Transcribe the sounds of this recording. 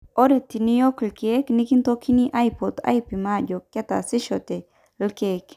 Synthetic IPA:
oɾet̪inijoklkeknikint̪okʰiniʔajpot̪a̰jpimad͡ʒokːet̪a̰siʃot̪e | lkek

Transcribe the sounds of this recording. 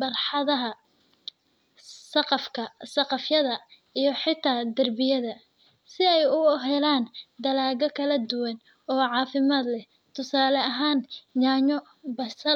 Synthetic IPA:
bɐrħɑðɐɦɐ | sɐqɑfkʰɐsɐqɑfjɐðɐ | ijɞħɪt̪ʰaːd̪ɐrbɪjɐðɐ | sɪɛjʊɔɦɛlaːnd̪ɐlaːɣɔkʰɐlɐd̪ʊwɐn | ɔːʕɑːfɪmaːd̪lɛ | t̪ʰʊsaːlɐɐɦaːnjaːɲɔ | bɐsɐ

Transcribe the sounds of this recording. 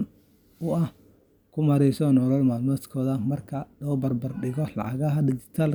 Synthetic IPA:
n | ʊɐh | kʰʊmɐɾɛjsɔnɔːɾɔːlmaːlmɔt̪kʰɔːðɐmɐrkʰɐlɔːbɐrbɐrɖɪɣɔlɑ̰ʕɑ̰ɣɐɦɐd̪ɪd͡ʒɪ̥t̪ʰaːl

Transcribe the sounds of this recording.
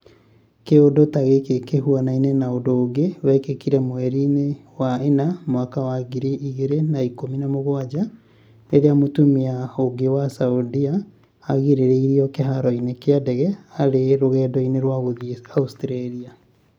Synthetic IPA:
keodotaɣekekehuanainenaondoːɡewɛkekiɾɛmwɛɾinewaenamwakawaɡiɾeiɣeɾenaikominamoɣwad͡ʑa | neɾeamotumiaoɡewasaudiaː | ɣiɾeɾeiɾiɔkeɦaɾɔinekeadɛɣɛaɾeɾoɣɛːdɔineɾwaɣoaustɾaɾia

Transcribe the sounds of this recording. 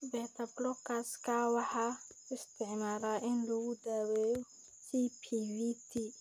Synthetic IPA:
bɛt̪ʰablɔkaskaːwaħaɪst̪ʰɪʕmaːɾaʔɪnluɡʊd̪aweː | sipʰivit̪ʰi

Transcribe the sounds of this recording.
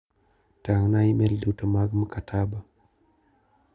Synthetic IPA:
taŋnajimeldutəmaɡməkatʰaba

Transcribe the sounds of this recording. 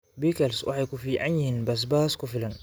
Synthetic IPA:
biːkɛlswʔɑ̰ħɑjkʊfiːʕa̰njɪhiːnbɐs̬baːskʊfɪlɐn

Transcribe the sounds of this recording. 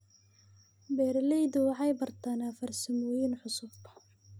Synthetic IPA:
bɛːɾɐlɛjd̪ʊwɑħɑjbɐrt̪ʰaːnaːfɐrsɐmɔːjinħʊsʊfkʰɐ̥

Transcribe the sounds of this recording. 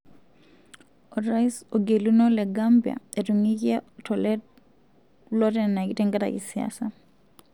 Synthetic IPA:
ʔɔtɾaisɔɡelunɔlɛɡambia̰ɛtɔŋikiatʰɔlɛ | lɔtɛnakitɛŋɡata̰ʔḭsia̰sa

